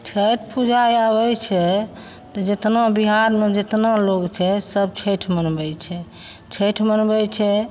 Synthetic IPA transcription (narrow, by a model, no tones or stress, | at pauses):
t͡ʃʰəʈʰpud͡ʒajabɛt͡ʃʰɛ | t̪ɔd͡ʒet̪nabiɦaɾmed͡ʒet̪naloɡt͡ʃʰɛsəb̚t͡ʃʰɛʈʰmənbɛt͡ʃʰɛ | t͡ʃʰəʈʰmənbɛt͡ʃʰɛ